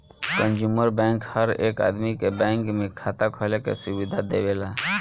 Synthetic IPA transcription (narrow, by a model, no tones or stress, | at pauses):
kə̃nd͡ʒuːməɾbɛ̃ːŋkhəɾeːka̰ːd̪mikebɛ̃ːŋkmẽkʰaːt̪akʰoːlekḛsʊʋɪd̪ʱad̪eːʋeːlaː